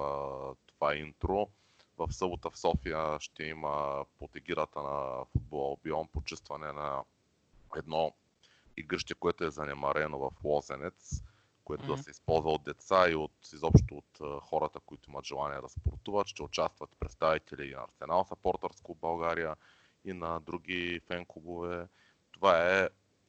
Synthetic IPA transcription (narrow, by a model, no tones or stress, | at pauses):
t̪ov̥aint̪ɾo | vɐfsɤbot̪əfsɔfijəʃt̪ɛiməpot̪ɛɡiɾət̪ənɐfud̪̚bolˠbiɔmpot͡ʃəst̪vɐnɛnɐ | ɛd̪nɔ | iɡɾəʃt̪ɛkoɛt̪oɛzɐnɛmɐɾɛnovɐflˠɔzɛnɛt̪s | koɛt̪ood̪ɐssɛispɔlˠzvɐod̪̚d̪ɛt̪saiot̪izɔpʃtt̪oːt̪xɔɾət̪əkoit̪oimət̪ʒɛlˠaniɛd̪ɐspo̰ɾt̪uvət̪ʃt̪ɛot͡ʃast̪vɐt̪pɾɛt̪st̪avit̪ɛliːnɐ̰ːɾsɛnalˠsɐpɔɾt̪əɾskobɐlˠɡaɾijə | inɐd̪ɾuɡ̟ifɛŋkoɡovɛ | t̪ovaɛ